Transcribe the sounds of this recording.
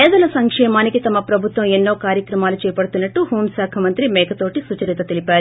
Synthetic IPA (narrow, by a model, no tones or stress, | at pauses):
ɛːd̪ɐlɐsɐŋkʂɛːmaːnikit̪ɐmɐpɾɐbʱut̪ʋɐ̃menːo̞ːkaːɾjɐkɾɐmaːlut͡ʃɛːɐpɐɽt̪unːɐʈːuɦoːmsaːkʰɐmɐnt̪ɾimɛːkʰɐt̪oːʈisut͡ʃɐɾit̪ɐt̪elipaːɾu